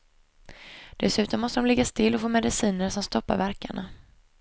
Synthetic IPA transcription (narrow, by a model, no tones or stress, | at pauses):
d̪̥ɛsʉ̟ːt̪ɔmːɔst̪əd̪ɔmlɛɡːast̪ɪlːɔfoːmɛd̪ɪsiːnəɾsɔmst̪ɔpːa̰ɾvæɾka̰ɳa